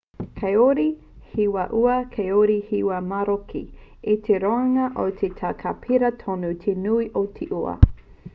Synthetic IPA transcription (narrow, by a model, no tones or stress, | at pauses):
kʰɐjoɾi | hiwɐʔuɐkʰɐjoɾihiwɐmaɾokʰḭ | itʰeɾoɐŋɐʔot̪ʰet̪ʰakʰapʰiɾɐtʰonut̪ʰenuiʔot̪ʰeʔuɐ̰